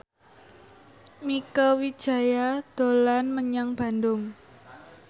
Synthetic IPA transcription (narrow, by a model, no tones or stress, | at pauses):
mikawid̥ʒ̥a̤jad̪̥o̤lanməɲaŋb̥a̤ndʊŋ